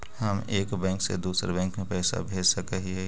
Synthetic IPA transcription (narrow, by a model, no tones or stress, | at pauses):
həmeːkbɛ̃ːŋksḛd̪uːsɾebɛ̃ːŋkmẽpɛːsa̰bʱeːd͡ʒsəkəɦiɦɛ